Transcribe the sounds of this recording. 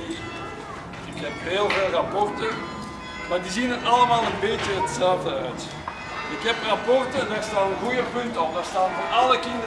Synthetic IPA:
ɪkɦɛpɦeːlˠveːlˠrɑpɔrtə | maːrdiːzinənɑləmaːlˠənbeːtjəɦətsɛlˠvdəœɥt | ɪkɦɛprɑpɔrtəndarstaːnənɣujəpɵntɔfdarstaːnvorɑləkɪndə

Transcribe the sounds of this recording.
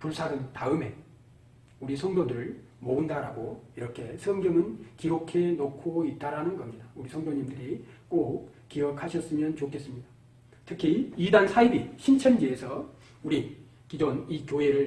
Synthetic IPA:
puɭsʰaɾɯntaɯme̞ | uɾisʰʌŋdodɯɾɯɭ | moundaɾa̰ɡoiɾʌkʰe̞sʰʌmɡʌmɯnkiɾokʰe̞nokʰoit̚t͈aɾanɯnɡʌmɲidauɾisʰʌŋdoɲimdɯɾik͈ok̚ | k͈iʌkʰaɕʰʌs͈ɯmjʌnt͡ɕokʰe̞s͈ɯmɲida | tʰɯkʰiidansʰaibiɕʰint͡ɕʰʌnd͡ʑiesʰʌ | uɾi | kid͡ʑonikjoɦe̞ɾɯɭ

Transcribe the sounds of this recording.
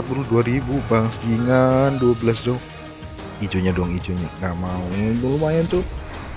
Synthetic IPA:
at̪̚buɾuduaɾibubaŋstiŋanduabəlas̬dɔŋ | id͡ʒoɲadɔŋid͡ʒoɲaŋɡaʔmauɛdɔŋlumajant̪ʊ

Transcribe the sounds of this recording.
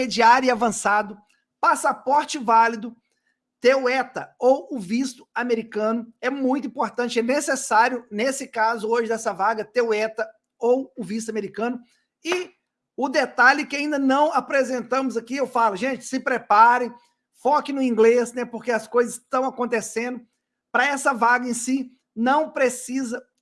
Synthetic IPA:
ed͡ʒiaɾʊiavɐ̃sad̪ʊ | pasapɔɾt͡ʃɪvalid̪ʊ | t̪ewʊɛt̪ɐowʊvist̪ʊ̥ameɾikɐ̃nʊɛmũj̃t̪ʊĩpoɾt̪ɐ̃t͡ʃɪɛnesesaɾjʊnesɪkazʊoʒɪd̪ɛsɐvaɡɐt̪eʊɛt̪ɐ | owʊvis̬t̪ʊameɾikɐ̃nʊ | ɪ | ʊd̪et̪alɛkɪaĩnd̪ɐnɐ̃w̃apɾezẽnt̪ɐ̃mʊzakiewfalʊʒẽt͡ʃɪ̥sɪpɾepaɾẽj̃ | fɔkɪ̃nʊĩɡlesnɛpoɾkeɐskojzɐzst̪ɐ̃w̃akõnt̪esẽnd̪ʊ | pɾɐɛsɐvaɡɐẽsi | nɐ̃w̃pɾesizɐ

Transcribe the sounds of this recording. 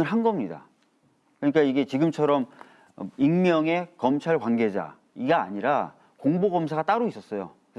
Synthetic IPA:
ɯɭɦanɡʌmɲida̰ | kɯɲik͈aiɡe̞t͡ɕiɡɯmt͡ɕʰʌɾʌm̰ | iŋmjʌŋe̞kʌmt͡ɕʰaɭkwanɡe̞d͡ʑa̰ | iɡa̰ːɲiɾa | koŋboɡʌmsʰaɡat͈aɾois͈ʌs͈ʌjo̰kɯ

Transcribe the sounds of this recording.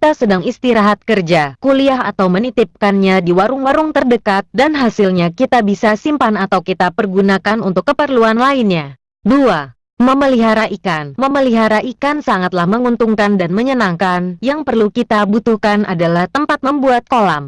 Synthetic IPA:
kit̪asədaŋist̪iɾaɦat̪̚kərd͡ʒakuliaɦa̰t̪awmənit̪ɪp̚kanɲadiwaɾʊŋwaɾʊŋt̪ərdəkat̪̚danɦasilɲakit̪abisasimpanat̪awkit̪apərɡunakanunt̪ʊkːəpərluanlainɲa | dua | məməliɦaɾaʔikanməməliɦaɾaʔikansaŋat̪lahməŋunt̪uŋkandanməɲənaŋkanjaŋpərlukit̪abut̪uhkanʔa̰dalaht̪əmpat̪̚məmbuat̪̚kolam

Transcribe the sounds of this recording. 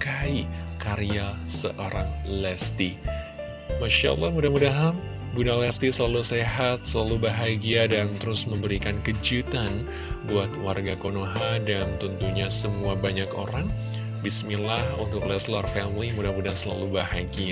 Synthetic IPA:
kaikaɾiasəʔoɾaŋlɛst̪i | maʃa̰lˠːɑhmudamudaɦa | bunalɛst̪isəlaluseɦat̪̚səlalubaɦaɡiadant̪əɾʊsməmbəɾikankəd͡ʒut̪an | buat̪warɡakonoɦadant̪unt̪uɲasəmuabaɲakoɾaŋ | bismilahunt̪ʊk̚lɛslarfɛmlimudahmudasəla̰lubahaɡia

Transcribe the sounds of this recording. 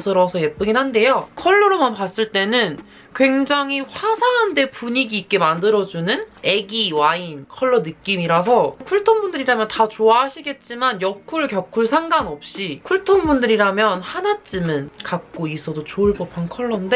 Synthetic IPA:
sʰɯɾʌsʰʌje̞p͈ɯɡinɦande̞jokʰʌɭːoɾomanpas͈ɯɭt͈e̞nɯn | kwe̞ŋd͡ʑaŋɦiɸwasʰaɦande̞puɲiɡiːk͈e̞mandɯɾʌd͡ʑunɯne̞ɡiwainkʰʌɭːʌnɯk͈imiɾasʰʌkʰuɭtʰʌŋbundɯɾiɾamjʌntat͡ɕoaɦaɕʰiɡe̞t̚t͡ɕ͈imanjʌkʰuɭkjʌkʰuɭsʰaŋɡanʌp̚ɕ͈ikʰuɭtʰʌŋbundɯɾiɾamjʌnhanat͡ɕ͈imɯnkak̚k͈ois͈ʌdot͡ɕoɯɭbʌpʰankʰʌɭːʌnde

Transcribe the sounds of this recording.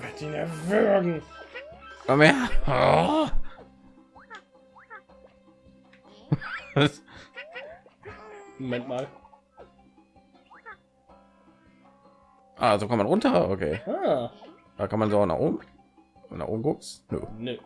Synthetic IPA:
vɛtdinɛvøɡŋ̩ | ɔme | momɛntmaːl | ʔa̰ːzoːkɔ̃ntmanʁʊntɐʔokʰḛːaː | d̥aːkʰanmanzoːana̰χʔo̰ːbm̩ | na̰χʔo̰ːbm̩kʊksnø̰ne

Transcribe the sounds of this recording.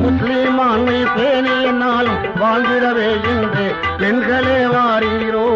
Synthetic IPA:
mʊslimaːnːɐpeːniɛnːaːl | ʋaːld̪ɪɽɐʋeːjɛndre | pɛnɡɐɭeːʋaːɾɪɪɾoː

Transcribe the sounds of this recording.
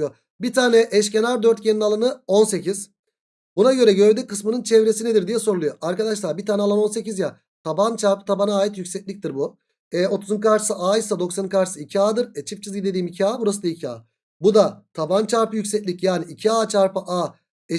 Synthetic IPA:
jo | bit̪ʰaːnɛʔɛʃ̬cenaɾd̪øɾt̪̚cʰeninalˠanɯo̞nse̞cʰiz̥ | bunaɟø̞ɾɛɟø̞ɾd̪ykɯsmɯnɯnt͡ʃʰɛvɾe̞sined̪iɾd̪ijɛso̞ɾlˠujoaɾkad̪aʃlˠaɾbit̪ʰaːnɛalˠano̞nse̞cizja | t̪ʰabant͡ʃʰaɾpɯ̥t̪ʰabanaːjit̪jycsɛc̚lʲic̚t̪iɾbu | ɛo̞t̪ʰuzɯmkʰaɾʃɯ̥sɯʔaːjisad̪o̞ksankʰaɾʃɯsɯicʰiaːd̪ɯɾɛt͡ʃʰip̚t͡ʃʰizɟid̪e̞d̪iːmicʰiaːbuɾasɯnaicʰia̰ː | bud̪at̪ʰabant͡ʃʰaɾpɯjycʲsɛcʲlʲicjaːniːcʰiaːt͡ʃʰaɾpɯʔaː | ɛ

